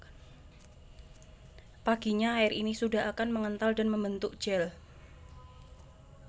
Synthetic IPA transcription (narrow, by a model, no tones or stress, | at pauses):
paɡ̥iɲaaɪɾinisudaɦakanməŋənt̪aldanməmbənt̪ʊkd̥d͡ʒ̥ɛl